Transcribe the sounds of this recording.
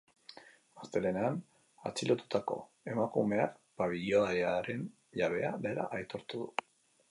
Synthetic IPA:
mast̪e̞le̞ne̞an | a̰t͡silot̪u̥t̪ako̞̰ | e̞makume̞akpaβiʎoaeaɾe̞n | ʎaβ̞e̞aðe̞la̰ʔajt̪o̞ɾt̪uðu

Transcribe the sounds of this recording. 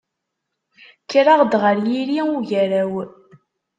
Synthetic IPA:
kːɾaʁd̪ʁəɾjiɾiuʝæɾæw

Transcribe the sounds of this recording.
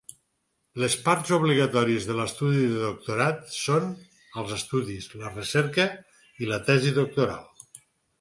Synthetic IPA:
ləspaɾt̪zuβliɣət̪ɔɾiəzðələst̪uðiðəðuk̚t̪uɾat̪son | əlˠzəst̪uðislərəsɛɾkə | ilət̪ɛziðuk̚t̪uɾa̰lˠ

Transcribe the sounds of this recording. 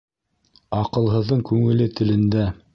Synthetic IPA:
ɑqɤ̆lˠɦɤ̆ðːɤɴkʉŋɘ̆lɘt̪ɘ̆lɘ̆nd̪æ

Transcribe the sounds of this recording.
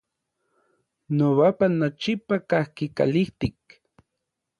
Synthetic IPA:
noβapanat͡ʃipakahkika̰liht̪ik̚

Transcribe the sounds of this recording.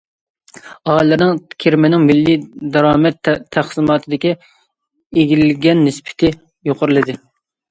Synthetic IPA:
ɑːjlˠɨɾnɪŋkʲʰeɾmɪnɪŋmɪlːid̪ɑɾɑːmɛt̪ʰːæχsɨmɑːt̪ʰɨd̪ɪkʲi | eɡʲilɡʲɛnːɪspʰɪ̥t̪ʰɪ | joqʰəɾɨlˠɨd̪ɨ

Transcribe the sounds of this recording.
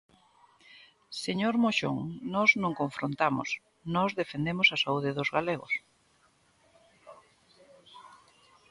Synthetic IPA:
seɲoɾmoʃo̰ŋnɔznõŋkoɱfɾont̪amo̰s | nɔzðefend̪emʊsasauðɪðʊzɣaleɣo̰s

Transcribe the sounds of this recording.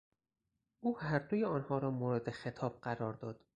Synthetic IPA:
ʔuːhæɾd̪ojeɒːnhɒːɾɒːmoːɾed̪exe̞t̪ʰɒːb̥̚ɢæɾɒːɾd̪ɒːd̪̥

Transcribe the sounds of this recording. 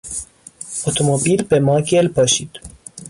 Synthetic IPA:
ot̪ʰomobiːlbemɒːɡʲelpʰɒːʃiːd̪̥

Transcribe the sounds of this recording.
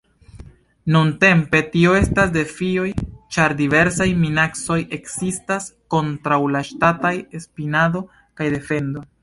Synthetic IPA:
nunte̞mpe̞tio̞e̞stasde̞fio̞jt͡ʃaɾdive̞ɾsajminakso̞jʔe̞ksistasko̞ntɾawlaʃtataje̞spinado̞ | kajde̞fe̞ndo̞

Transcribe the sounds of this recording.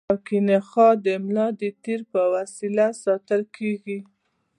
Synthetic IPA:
akinexɑd̪əmlɑd̪ət̪eɾpəwasilasɑt̪əlkʰeɡi

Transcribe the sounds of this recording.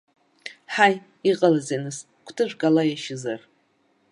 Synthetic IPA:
ħaj | iqʼalazenɨs | kʷʰtʰɨʒʷᶣɡʼalajaʃɪzar

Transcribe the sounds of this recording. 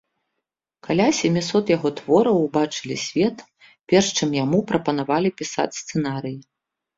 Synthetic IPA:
kalʲasʲɛmʲisɔt̪jaɣɔt̪v̥ɔɾɐwbat͡ʂɨlʲisʲvʲɛt̪ | pʲɛrʂt͡ʂɨmjamupɾɐpɐnavalʲipʲisa̰t͡sʲst̪sɨnaɾɨji

